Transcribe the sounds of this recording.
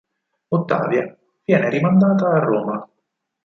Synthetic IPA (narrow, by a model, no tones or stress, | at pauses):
ot̪ːa̰ːvja | v̥jɛːneɾimand̪aːt̪aːrːoːma